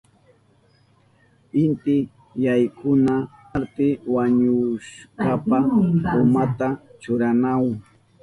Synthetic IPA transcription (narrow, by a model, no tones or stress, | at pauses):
ɪnt̪ɪ | jajkʰʊna | aɾt̪ɪwaɲʊʃkapaʊmat̪at͡ʃʊɾanaw